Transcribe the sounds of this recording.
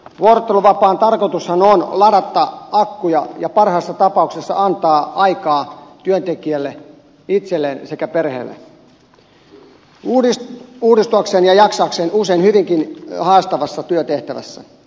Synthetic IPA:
ʋuorŏt̪ːeluʋɑpɑːnt̪ɑrkot̪ushɑnonlɑɾɑt̪ːɑɑkːujɑjɑpɑrhɑːsːɑt̪ɑpɑuksesːɑ̰ʔɑnt̪ɑːɑikɑːt̪yønt̪ekiælːe | it̪selːeːnsekæperhḛːlːḛ | uːuːdist̪uɑkseːnjɑjɑksɑːkseːnuseinhyʋiŋkinhɑːst̪ɑʋɑsːɑt̪yøt̪eht̪æʋæ̰sːæ̰

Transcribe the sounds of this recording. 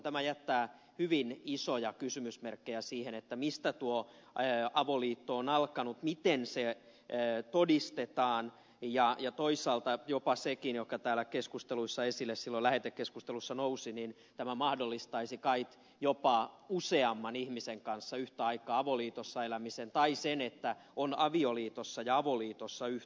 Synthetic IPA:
t̪æmæjæt̪ːæː | hyʋinisojɑkysymysmerkːejæsiːhenet̪ːæmist̪æt̪uo | ɑʋoliːt̪ːoːnɑlkɑnut̪mit̪enseː | t̪odist̪et̪ɑːn | jɑjɑt̪oisˑɑːlt̪ɑjopɑsekinjokːɑt̪æːlækeskust̪eluisːɑesilːessilːolæhet̪ːekkeskust̪elusːɑnousinin | t̪æmæmɑhdolːist̪ɑisikɑik | jopɑuseɑmːɑnihmiseŋkɑnsːɑyht̪æɑikɑːɑʋoliːt̪osːɑelæmisent̪ɑisenet̪ːæonɑʋioliːt̪osːɑjɑɑʋoliːt̪osːɑyh

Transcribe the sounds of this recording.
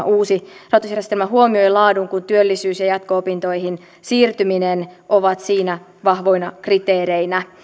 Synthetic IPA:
uːsirɑt̪usjærjest̪elmæɦuomio̞jlɑːduŋkunt̪yølːisyːsjɑjɑt̪koopint̪o̞iɦin | siːrt̪yminenʔoʋɑt̪siːnæ | ʋɑhʋo̞inɑkrit̪eːɾeinæ

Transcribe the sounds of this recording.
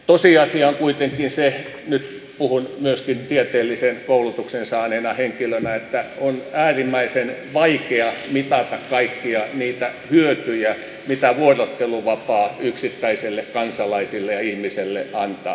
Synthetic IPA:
t̪osiɑsiɑŋkuit̪eŋkinse | nyt̪ | puhunmyøskint̪iet̪eːlːisenkoulut̪uksensɑːneːnɑheŋkilønæet̪ːæonæːrimːæisenʋɑikeɑmit̪ɑt̪ɑkkɑikːiɑniːt̪æhyøt̪yjæ | mit̪æʋuorot̪ːeluʋɑpɑːyksit̪ːæiselːekkɑnsɑlɑisilːejɑihmiselːḛʔɑnt̪ɑ̰ː

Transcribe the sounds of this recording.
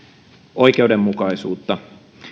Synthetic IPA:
ʔo̞ikeudemmukɑisuːt̪ːɑ

